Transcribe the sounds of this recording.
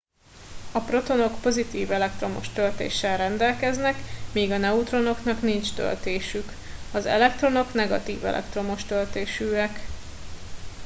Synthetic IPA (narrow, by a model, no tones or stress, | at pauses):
ɒpro̞t̪o̞no̞kpo̞zit̪iːvɛlɛk̚t̪ro̞mo̰ʃt̪ølt̪ḛːʃːɛlrɛnd̪ɛlkɛznɛkmiːɡɒnɛut̪ro̞no̞knɒknint͡ʃt̪ø̰lt̪eːʃyk | ɒzɛ̰lɛkt̪ro̞no̞kn̪ɛɡɒ̰t̪iːvɛ̰lʔɛ̰kt̪ro̞mo̞ʃt̪ølt̪eːʃyːɛk